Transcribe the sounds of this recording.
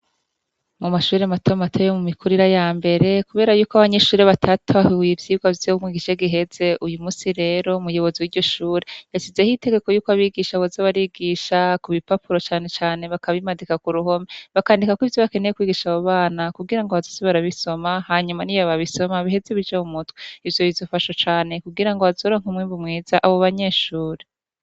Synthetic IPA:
mumaʃuːɾematʰomatʰojomumikʰuɾiɾajaːmbe̞ɾe̞kuβe̞ːɾajuːkoaβaɲe̞ʃuːɾeβatʰatʰawivjiːɡwavjoumŋiːɡiʃeɡiɦe̞ze̞ʔujumuːsiɾe̞ːɾo̞mujo̞βo̞ziwiɾɟo̞ʃuːɾejaʃize̞hite̞ɡe̞kojuːkoaβiɡiʃaβozaβaɾiɡiʃakuβipapuɾo̞t͡ʃaːne̞t͡ʃaːne̞βakaβimadikakuɾuɦo̞meβakaːndikakwiːvjo̞βake̞nejekwiːɡiʃaβoβaːnakuɡiɾaŋɡoβazosoβaɾaβiso̞mahaɲumanijaβaβiso̞maβihe̞zeβid͡ʒaumutweivjo̞βivzofaʃo̞t͡ʃaːne̞kuɡiɾaŋɡoβazoːɾoŋ̥umwiːmbumŋiːzaʔaβoβaɲe̞ːʃuːɾe

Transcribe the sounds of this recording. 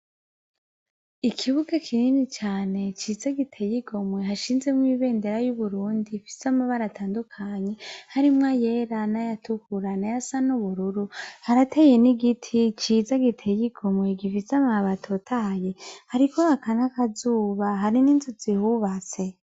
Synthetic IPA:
ikʰiβuɡakʰininit͡ʃaːne̞t͡ʃizaɡitʰejiɡo̞mwe̞ɦaʃiːnzɡemŋwiːβe̞ːnde̞ɾajuβuɾuːndifi̥samaβaɾatʰaːndukʰaɲe̞haɾimŋajeɾanajatukuɾanajasanuβuɾuɾuhaɾatʰeje̞niɡitʰit͡ʃizaɡitʰejiɡo̞mwe̞ɡivisamaβatʰotʰahaje̞haɾikohakanakazuːβaɦaɾiniːnzuzihuβat͡se̞

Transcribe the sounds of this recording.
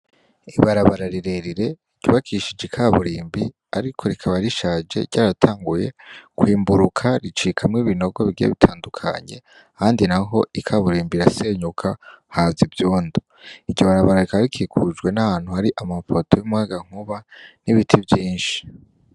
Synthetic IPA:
iβaɾaβaɾaɾiɾe̞ɾiɾe̞ | ɟ̥uβakʰiʃid͡ʒikʰaβuɾiːmbi | aɾikʰo̞ɾikʰaβaɾiʃaːd͡ʒe̞̰ɾɟaːɾatʰaːŋɡuje̞kwiːmbuɾukʰaɾit͡ʃiːkʰamŋiːβino̞ɡwoβiɡijḛβitʰaːndukʰa̰ɲe̞̰ | ahaːndinaɦo̞ikʰaβuɾiːmbiɾase̞ɲukʰahazivjuːndo | iɟoβaɾaβaɾaɾikaβɾikʰikʰud͡ʒɡwe̞nahaːn̥huhaɾiʔamafo̞tʰo̞jumuŋaɡaŋ̥uβaniβitʰivjiːnʃi̥

